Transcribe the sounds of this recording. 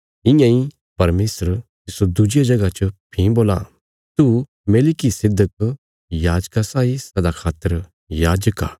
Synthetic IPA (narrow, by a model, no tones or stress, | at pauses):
ɪ̃jãːĩ | pɐɾmeːsəɾt̪ɪsod̪ʊd͡ʒɪjad͡ʒɐɡat͡ʃəpʰĩboːla̰ | t̪u | meːlɪkisɪd̪ək | jaːd͡ʒkasaːisɐd̪akʰaːt̪ːəɾ | jaːd͡ʒəka̰ː